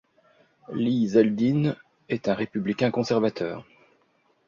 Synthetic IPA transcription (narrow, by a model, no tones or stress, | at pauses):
lizɛld̪in | ɛt̪ɛ̃ʁepyblikʲɛ̃kɔ̃sɛʁvat̪ʰœ̰ːʁ